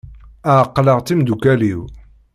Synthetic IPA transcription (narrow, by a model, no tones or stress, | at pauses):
aqːləʁt̪imd̪ukæliw